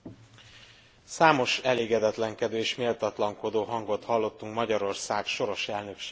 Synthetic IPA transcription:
saːmo̞ʃɛleːɡɛd̪ɛt̪lɛŋkɛd̪øːeʃmeːlt̪ɒt̪lɒŋko̞d̪oːɦɒŋɡo̞t̪hɒlːo̞t̪ːuŋkmɒɟɒɾo̞rsaːɡʃo̞ɾo̞ʃɛlnø̞kʃe̥

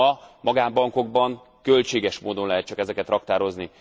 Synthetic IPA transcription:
ɒmɒɡaːmbɒŋko̞ɡ̚bɒŋ | kø̞lt͡ʃeːɡɛʃmoːd̪o̞nlɛɦɛt̪t͡ʃɒkɛzɛkɛt̪rɒkt̪aːɾo̞zni

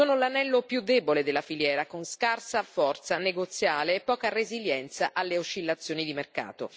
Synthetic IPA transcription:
oːnolanɛlːopjud̪ːeːboled̪elːafiljɛːɾakonskarsafɔrt̪saneɡot̪sːjaːleːpːɔːkareziljɛnt̪saʔalːeot͡ʃːilːat̪sːjoːnid̪imerka̰ːt̪o

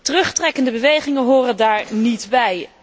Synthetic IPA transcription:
tərɵχtrɛkəndəbəʋejχɪŋənɦoːrəndaːɹnitbɛj

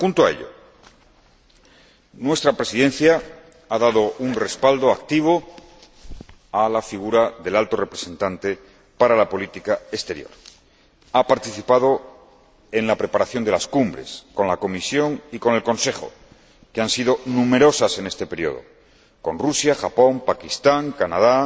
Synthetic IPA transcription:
xunt̪oae̞̰ʎo̞̰ | nwe̞st̪ɾapɾe̞siðe̞nθja | aðaðo̞unre̞spald̪o̞ak̚t̪iβ̞o̞ | alafiɣ̞uɾaðe̞lalt̪o̞re̞pɾese̞nt̪ant̪e̞ | paɾalapo̞lit̪ikaest̪e̞ɾjo̞̰ɾ | apaɾt̪iθipað̞o̞ | e̞nlapɾe̞paɾaθjo̞nd̪elaskumbɾe̞̰sko̞nlako̞misjo̞ŋiko̞ne̞lko̞nse̞χo̞̰ | keansið̞o̞nume̞ɾo̞sase̞ne̞st̪e̞pe̞ɾjo̞̰ðo̞̰ | ko̞nrusjaxapo̞mpakist̪aŋkanað̞a

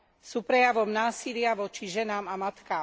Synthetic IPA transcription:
suːpɾɛjaʋɔmnaːsilɪaʋɔt͡ʃiʒɛnaːmamat̪kaːm

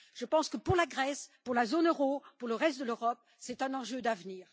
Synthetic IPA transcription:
ʒ̥əpɑ̃skəpuʁlaɡʁɛspuʁlazonøʁopuʁləʁɛst̪̚d̪əløʁɔp̚ | sɛt̪ɛ̃nɑ̃ʒød̪avniːʁ

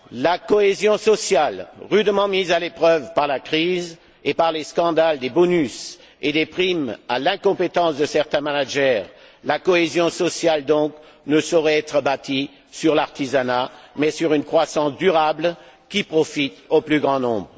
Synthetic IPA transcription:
lakɔezjɔ̃sɔsjalʁyd̪mɑ̃mizalepχœvpaʁlakχiz | epaʁleskɑ̃d̪ald̪ebɔnys | ed̪epχima̰lɛ̃kɔ̃pet̪ɑ̃sd̪əsɛʁt̪ɛ̃manaʒɛːʁlakɔezjɔ̃sɔsjald̪ɔ̃k | nəsɔʁɛɛt̪χəbat̪i | syʁlaʁt̪izanamɛsyʁynkχwasɑ̃sd̪yʁabl | kʲipχɔfit̪oplyɡʁɑ̃nɔ̃bʁ

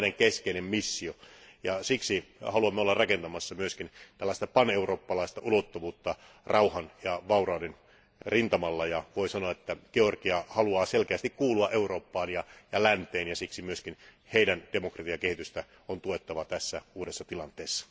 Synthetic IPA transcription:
neŋkeskeinemmisːiojɑsiksihɑluɑmːeolːɑrɑkent̪ɑmɑsːɑmyøskint̪ælːæˑst̪ɑpɑneuroːpːɑlɑist̪ɑʔulot̪ːoʋuːt̪ːɑ | rʔɑuhɑnjɑʋɑurɑːnen | rint̪ɑmɑlːɑjɑʋoisɑnoɑet̪ːæɡ̥eorɡiɑhɑluɑːselkeæst̪ikkuːluɑʔeuro̞ːpːɑːnjɑjɑlænt̪eːnjɑsiksimyøskin | heidænd̥emokrɑt̪iɑkehit̪yst̪æ | ont̪uet̪ːɑʋɑt̪æsːæuːdesːɑt̪ilɑnt̪eːsːɑ̥

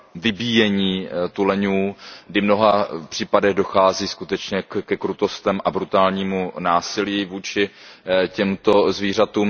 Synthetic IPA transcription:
vɪbiːjɛɲiːt̪ulɛɲuːɡdɪmno̞ɦapr̝̥iːpadɛɣdo̞xaːziːskut̪ɛt͡ʃɲɛkɛkɾut̪o̞st̪ɛmʔabɾut̪aːlɲiːmunaːsɪliːvuːt͡ʃɪcɛmt̪o̞zviːr̝at̪uːm

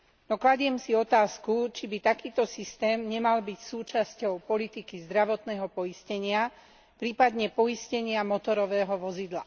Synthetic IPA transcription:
nɔklaɟɪɛmsiɔt̪aːskut͡ʃibit̪akiːt̪ɔsist̪ɛːmɲɛmalbicsuːt͡ʃascɔʊpɔlit̪ikizd̪ɾaʋɔt̪nɛːɦɔpɔjiscɛɲɪa | pɾiːpad̪ɲɛpɔjiscɛɲɪamɔt̪ɔɾɔʋɛːɦɔʋɔzid̪la

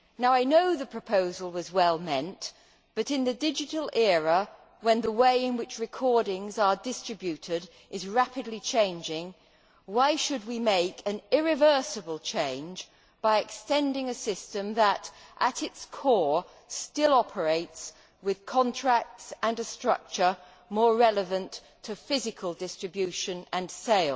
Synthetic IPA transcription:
naʊaɪnoʊðɨpʰɹ̥ɨpʰoʊzəl̩ˠwʌzwɛlˠmɛ̃nʔ | b̥ʌɾɨ̃nðɨdɪd͡ʒɨɾl̩ˠɛɹə | wɨ̃nðəweɪɨ̃nwɨt͡ʃɹɨkʰɔɹɾɪ̃ŋzə˞dɪstɹ̥ɨbjʉɾɪɾ | ʔɨzɹæpɨdˡlit͡ʃʰẽɪ̃nd͡ʒɪ̃ŋ | waɪʃɨd̚wimeɪkʰɨ̃nɪɹɨvɜ˞sɨbəlˠt͡ʃʰẽɪ̃nd͡ʒ | b̥aɪɨkstɛ̃ndɪ̃ŋɨsɪstɨ̃mðəɾʔəɾɪtskʰɔɹ | stɪlˠɑpʰə˞eɪts | wɪð̥kʰɑ̃ntʰɹ̥æk̚tsə̃nɨstɹ̥ʌ̰k̚t͡ʃə˞ | mɔɹɹɛlˠəvɨ̃nttʰɨfɪzɨkʰəlˠdɪstɹ̥ɨbjʉʃɨ̃nɨ̃nseɪlˠ

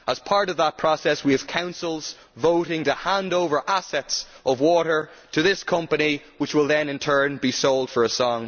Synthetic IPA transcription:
ʔəz̥pʰɑɹɾʌvðət̚pʰɹ̥ɔsɛswiɨv̥kʰãʊ̃nsəl̩ˠz̥ | voʊɾɪ̃ŋtəhãndoʊvə˞ʔasɛts | ʔʌvwɔɾə˞ | ɾʰɨðɪskʰʌ̃mpɨni | wɨt͡ʃwɪlˠðɨ̃nɨ̃ntʰɜ̃˞nbisoʊlˠd̥fə˞əsɔ̃ŋ

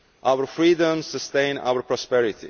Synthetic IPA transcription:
ʔawəɹfɹiːdə̃msəst̪ẽɪ̃na̰wəɾpʰɹɔspɛɹɪt̪ḭ

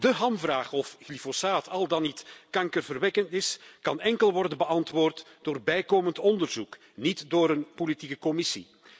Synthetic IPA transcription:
dəɦɑmvraːχɔfɣlifosaːtʰɑlˠdɑnːitkɑŋkərvərʋɛkəntɪskɑnɛŋkəlˠʋɔrdənbəɑntʋoːrtd̥oːrbɛjkoːməntɔndərzuk | nitdoːɾənpolitikəkɔmɪsḭ

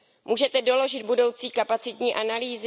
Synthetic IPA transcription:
muːʒɛt̪ɛdo̞lo̞ʒɪd̪̚budo̞wt͡siːkapat͡sɪt̪ɲiːʔanaliːz

